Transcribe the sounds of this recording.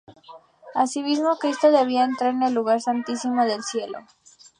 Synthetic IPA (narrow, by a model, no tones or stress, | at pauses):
asimizmo̞kɾist̪o̞ðe̞β̞iaent̪ɾaɾenelːuɣaɾsant̪isimo̞ðe̞lsje̞lo̰